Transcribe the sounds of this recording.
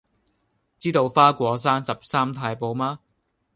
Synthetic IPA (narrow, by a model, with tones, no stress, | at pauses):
t͡siː˥t̪o˧wfaː˥kʷɔː˨˧s̬aː˥nsɐ˨p̚saː˥mt̪ʰaː˧jpo˨˧wmaː˥